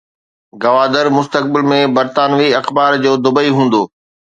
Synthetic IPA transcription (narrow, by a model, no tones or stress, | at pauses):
ɡɐʋaːd̪əɾmʊst̪ək̚bɪlmẽbɐɾt̪aːnʋiɐxbaːɾd͡ʑoːd̪ʊbəiɦũːn̆d̪oː